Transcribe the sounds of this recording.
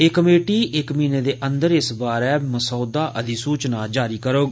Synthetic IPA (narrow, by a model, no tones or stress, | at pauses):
eːkəmeːʈiːʔɪkmiːneːd̪eːʔənd̪əɾɪsbaːɾɛːməsɔːd̪aːʔəd̪iːsuːt͡ʃnaːd͡ʒaːɾiːkəɾoːɡ